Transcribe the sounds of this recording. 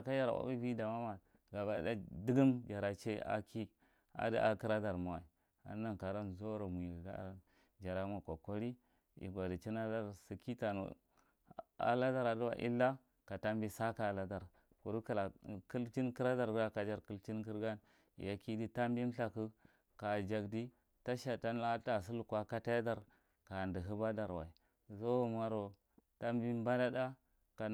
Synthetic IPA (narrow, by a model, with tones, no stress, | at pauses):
ka˦d͡ʒa˦ɾa̰˨wa̰˦bi˦bi˦da˨ma˦ma˨ | ɡa˨ba˨da˦di˦ɡu˦md͡ʒa˨ɾa˨t͡ʃe˦a̰˦kʰi˦ | a̰˨di˦ʔa̰˨ki˦ɾa˦da˨ɾma˨wa˨i˨ | a̰˨˦na˨nka˨ɾa˦n˨zo˦ɾo˨mʷ˨i˨ɡa̰˨ | d͡ʒa˨ɾa˦ma˨kʷa˨ko˦ɾi˦ | ḭ˨ɡʷa˨di˨t͡ʃi˦na˦da˦ɾsi˨ki˦ta˨nṵ˨ | a̰˦la˦da˦ɾa˨du˦wa̰˨ʔḭ˦lːa˦ | ka˨ta˦mbi˦sa˦ka˨la˨da˨ɾ | ku˨ɾu˦ki˨la˨ku˦lt͡ʃi˦nki˦ɾa˦da˨ɾɡɾa˦ka˨d͡ʒa˦˨ɾku˦lt͡ʃi˦nki˦ɾɡa˦n | ḭ˨ja˨ki˦di˦ta˦mbi˦m˦ɬa˨ku˦ | ka˨d͡ʒa˨ɡdi˦ | ta˦ʃa˨ta˦n˦la˦a˨s̬u˦lu˨kwa˦ka˦ta˦ja˦da˨ɾ | ka˨ndi˨ɦu˦ba˦da˨ɾwa̰˨i˨ | zo˦˨ma˦ɾo˨ | ta˦mbi˦m˦ba˦da˦da˦ | ka˨